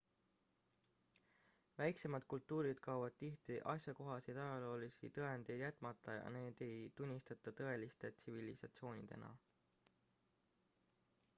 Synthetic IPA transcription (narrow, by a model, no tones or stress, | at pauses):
væjkse̞mɑd̪̥̚kult̪ːˑuːɾid̪̥kɑuvɑd̪̥̚t̪iht̪iʔɑsʲjɑko̞ɦɑsid̪ɑjɑlo̞ːlisḭt̪ɤ̞e̞nd̪̥e̞jd̪̥jæt̪ːˑmɑt̪ˑːɑjɑ̰ne̞ːd̪̥e̞jt̪unʲːist̪ɑt̪ːˑɑt̪ɤ̞e̞list̪e̞t̪sivilisɑt̪sio̞ːnʲid̪̥e̞̰nɑ̰